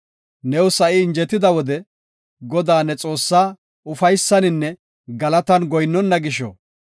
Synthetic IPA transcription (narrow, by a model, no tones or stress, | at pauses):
nɛwsɐʔɪːnd͡ʒɛt̪ːɪd̪ɐwɔd̪ɛ | ɡɔd̪aːnɛt͡sʼo̞ːsːaː | ʊfɐjsːɐnɪnːɛ | ɡɐlɐt̪ɐnɡɔjnːɔnːɐɡɪʃɔ̰